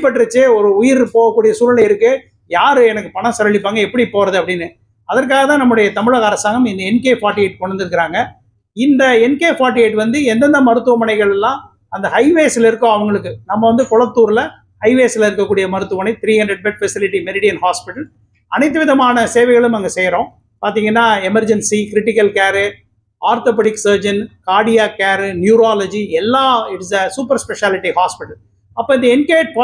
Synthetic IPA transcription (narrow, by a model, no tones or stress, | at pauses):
pːɐʈːɾɯt͡ʃːeːɔɾɯʊjɪɾpoːɣɐkːuːɽɪjɐsuːlɪlɐɪɾɯkːɯ | jaːɾɯɛnɐkːɯpɐɳɐ̃sɐɾɐɭɪpːaːŋɡɐɛpːɐɽipoːɾɐðɯɐpːɐɽɪnːɯ | ɐðɐɾk̬aːɣɐt̪ãːnɐmːʊɽɐjɐt̪ɐmɪɻɐɣɐːɾɐsaːŋɡɐmɪnd̪ɐɛnkeːfaːɾʈːieːʈ̚kɔɳɐnd̪ɯɾɯkːɪɾaːŋɡɐ | ɪnd̪ɐɛnkeːfaːɾʈ̬ːɪeːʈʋɐnd̪ɯɛnd̪ɐnd̪ɐmɐɾɯt̪ːɯʋɐmɐɳɐɪɣɐɭɛlːãː | ɐnd̪ɐhɐɪʋeːsɪlɐɪɾɯkːõɐʋɐŋɡɐɭɯkːɯnɐmːɐʋɐnd̪ɯkɔɭɐt̪ːuːɾɪlɐ | hɐɪʋeːsɪlɐɪɾɯkːɐkːuːɽɪjɐmɐɾɯt̪ːɯʋɐmɐnɐɪt̪ɪɾiːhɐɳɖɾɛɖ̚bɛʈ̚fɛsɪlɪʈːimɛɾɪɽɪjɐnɦaːspɪʈɐl | ɐnɐɪt̪ːɯʋɪðɐmaːnɐseːʋɐɛɪɣɐɭɯ̃mɐŋɡɐsɛjɾõː | paːɾt̪iːŋɡɐnːaːɛmɐɾd͡ʒɛnsikɪɾɪʈːɪkːɐlkaːɾɯ | aːɾt̪oːp̬ɛʈɪksɐːɾd͡ʒɐnkaːɽɪjaːkaːɾnjuːɾaːlɐd͡ʒiɛlːaːɪʈɪsɐsuːpɐɾspɛʂaːlɪʈːihaːspɪʈɐl | ɐpːoːɪnd̪ɐɛnkeːʈ̚po